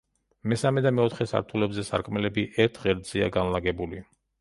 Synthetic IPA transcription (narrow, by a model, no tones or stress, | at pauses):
mɛsamɛd̪amɛɔt̪ʰχɛsa̰ɾt̪ʰulɛbzɛsa̰ɾkʼmɛlɛbiʔɛɾt̪ʰʁɛɾd̪zɛa̰ɡanlaɡɛbuli